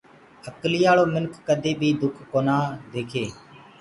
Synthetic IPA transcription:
əklijaːɭoːmɪnkʰːəd̪ʱeːbʱiːd̪ʊkʰːoːnaːd̪eːkʰeː

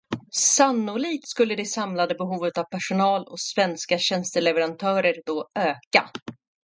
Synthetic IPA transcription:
sanːʊɭiːk̚t̪skɵlːəd̪ɛsamlad̪əbɛɦuːvət̪avpʰæʂʊnɑːlɔ̰svɛnskaɕɛnst̪əlɛvəɾant̪ʰœːɾəɾd̪ɔøːka̰

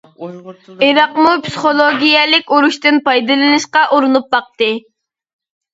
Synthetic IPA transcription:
eɾɑqmupsɨ̥χolˠoɡʲijɛlɪkʲuɾuʃt̪ɨnpɑjd̪ɨlˠɨnɨʃqɑʔuɾunup̚bɑq̚t̪ɨ

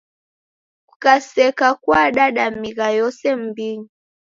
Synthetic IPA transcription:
kukasɛkakwaɗaɗamiɣajɔsɛm̩biŋi

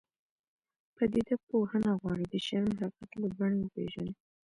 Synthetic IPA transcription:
pəd̪id̪ak̚pohənaɣwɑɽid̪əʃaɾmlɑkat̪ləbaɳewəpḛʒane

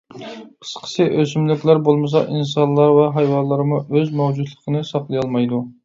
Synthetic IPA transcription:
qʰə̥sqʰə̥sɨʔøsymlykʲlæɾbolˠmɨs̬ɑʔinsɑnlˠːɑɾvɛɦɑjwɑlˠːəɾmuʔøzmɛwd͡ʒud̪lˠəqʰənɨsɑqlˠɨjɑlˠmɑjd̪u

